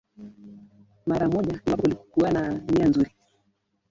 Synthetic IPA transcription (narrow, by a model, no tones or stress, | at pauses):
maɾamɔʄamapɔulikɔkuanamianzuɾi